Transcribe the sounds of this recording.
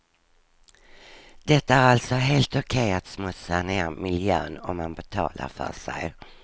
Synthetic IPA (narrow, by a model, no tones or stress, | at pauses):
d̪̥ɛt̪ːaæɾalt̪sɔɦeːlt̪ɔkʰɛjat̪smɵsaneːɾmɪljø̰ːnɔmːanbɛt̪ʰɑ̰ːla̰ɾfœ̰ʂɛ̰j